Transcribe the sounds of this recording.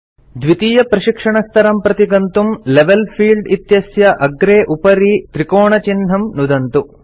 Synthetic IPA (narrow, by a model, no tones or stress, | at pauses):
d̪ʋit̪iːjɐpɾɐʃikʂɐɳɐst̪ʰɐɾɐmpɾɐt̪iɡɐnt̪umleʋelpʰiːlɖit̪jɐsjɐʔɐɡɾeːʔupɐɾit̪ɾikoːɳɐt͡ʃinɦɐmnud̪ɐnt̪u